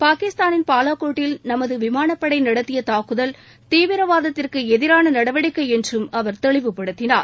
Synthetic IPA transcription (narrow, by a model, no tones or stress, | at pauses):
paːkɪst̪aːnɪnpaːlaːkoːʈːɪlnɐmɐðɯʋɪmaːnɐpːɐɽɐɪnɐɽɐt̪ːɪjɐt̪aːkɯðɐl | t̪iːʋɪɾɐʋaːðɐt̪ːɪrkɯɛðɪɾaːnɐnɐɽɐʋɐɽɪkːɐɪɛndrɯmɐʋɐɾt̪ɛɭɪʋɯpːɐɽɯt̪ːɪna̰ːɾ